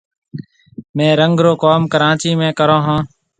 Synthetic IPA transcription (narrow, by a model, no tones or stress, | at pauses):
mẽːɾəŋɡɾoːkoːmkəɾãːt͡ʃiːmẽːkəɾõːɦãː